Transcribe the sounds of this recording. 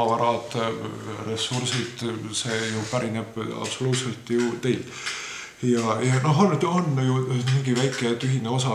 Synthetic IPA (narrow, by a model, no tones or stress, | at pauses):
ɑvɑɾɑd̪̥ | re̞sːursid̪̥se̞ːjupæɾineb̥ɑ̰pso̞luːt̪se̞lt̪jut̪e̞jl | jɑjɑno̞ɦonet̪onːjumiŋɡivæjkːˑe̞t̪yɦineo̞sɑ